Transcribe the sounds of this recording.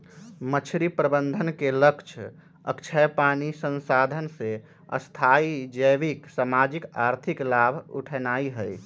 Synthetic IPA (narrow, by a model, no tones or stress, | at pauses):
mət͡ʃʰɾipɾəbənd̪ʱənkeləkt͡ʃʰ | ə̰kt͡ʃʰəjpanisə̃nsad̪ʱənse | ə̰st̪ʰaid͡ʒəjʋiksamad͡ʒikaɾt̪ʰiklabʱṵʈʰɛnaiɦəj